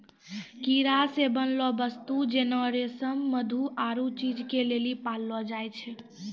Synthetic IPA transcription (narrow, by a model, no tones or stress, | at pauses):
kiɾasebənlɔbəst̪ud͡ʒenɔɾesəmːəd̪ʱuʔaɾut͡ʃid͡ʒkelelipalːɔd͡ʒajt͡ʃʰɛ